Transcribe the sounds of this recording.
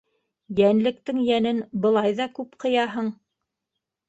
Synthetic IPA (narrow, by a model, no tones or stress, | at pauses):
jænlɘ̆kt̪ɘŋjænɘnbɤ̆lˠɑjðɑkʉpqɤ̆jɑɦɤɴ